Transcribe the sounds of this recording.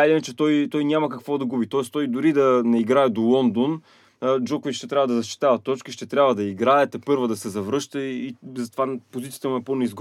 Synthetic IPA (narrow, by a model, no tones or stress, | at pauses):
aint͡ʃɛt̪ɔjt̪ɔjnʲamɐkɐkvɔd̪ɐɡubit̪ɔɛst̪ɔjd̪ʊɾid̪ɐnɛiɡɾaɛd̪olˠɔnd̪on | d͡ʒɔkovit͡ʃʃt̪ɛt̪ɾʲavəd̪ɐzɐʃt͡ʃi̥t̪avɐtt̪ːɔt͡ʃkiʃt̪ɛt̪ɾʲabvəd̪ɐiɡɾaɛt̪ɛpɤɾvɐd̪ɐsɛzɐvɾɤʃt̪əizɐt̪ovapozit̪sijət̪əmuɛponɛizɡ